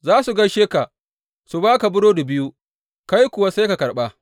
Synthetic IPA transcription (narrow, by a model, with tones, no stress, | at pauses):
zaː˦su˨ɡɐ˦nʃeː˦ka˨ | su˨baː˦ka˨bʊ˦ɽoː˦da˨bɪ˦ju˦ | ka˦jkʷʊ˨wa˦sa˦jka˨kɐ˨ɽɓa˦